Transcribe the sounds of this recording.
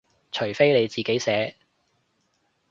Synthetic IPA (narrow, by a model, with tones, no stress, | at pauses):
t͡ʃʰɵ˨˩jfe˥jne˨˧jt͡siː˨ke˨˥jsɛː˨˥